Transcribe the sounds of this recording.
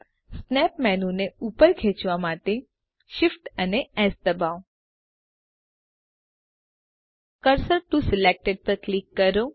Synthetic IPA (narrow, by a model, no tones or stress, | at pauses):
snɛpmɛnũneupəɾkʰet͡ʃʋamaʈe | ʃifʈəneɛsd̪əbaʋ | kəɾsəɾʈũsɪlek̚ʈeɖ̚pəɾklikːəɾo